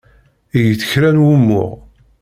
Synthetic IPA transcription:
ijəθə̥çɾænwumːʊ̰ʁ

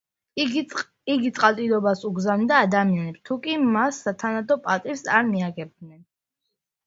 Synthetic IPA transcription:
iɡit̪sʼqʼat̪ʼid̪ɔbasuɡzavnd̪aːd̪amianɛpst̪ʰukʼimasːat̪ʰanad̪ɔpʼat̪ʼiɾsaɾmiaɡɛb̚nɛn

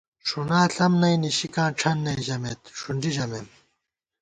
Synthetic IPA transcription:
ʂunaːɬɐmnɐjniɕikãːʈ͡ʂʰɐnːɐiʑɐmeːt̪ʂuɳɖid͡ʑɐmem

